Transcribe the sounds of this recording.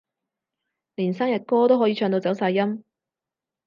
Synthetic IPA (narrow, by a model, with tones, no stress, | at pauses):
liː˨˩nsaː˥ŋjɐ˨˩t̚kɔː˥t̪o˥wɦɔː˨˥jiː˨˧t͡ʃʰœː˧ŋt̪o˧wt͡sɐ˨˥wsaː˧jːɐ˥m